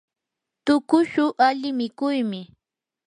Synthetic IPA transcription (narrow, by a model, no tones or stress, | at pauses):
t̪ʊkʊʃʊʔaʎɪmɪkʊjmɪ